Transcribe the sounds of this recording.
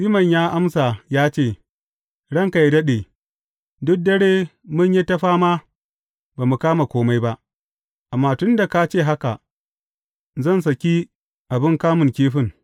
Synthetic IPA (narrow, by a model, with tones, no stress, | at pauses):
ʔɪ˦mɐ˨ɲjaː˦ʔa˦msa˨jaː˦t͡ʃeː˦˨ | ɽɐ˦ŋka˨ji˦dɐ˦ɗeː˨ | dʊ˦k̚dɐ˦ɽeː˦mʊ˦ɲji˦tɐ˦ɸaː˦ma˦ | baː˨mu˨kaː˦ma˨kʷoː˦ma˦jba˦ʔ | ʔa˨mːaː˦tʊ˦nda˨ka˦t͡ʃeː˦˨ɦa˦ka˨ | zɐ˦˨ns̬ɐ˨kʲi˦ | ʔa˨bɪ˦ŋkaː˦mʊ˨ŋkʲeː˦ɸɪ˦ŋ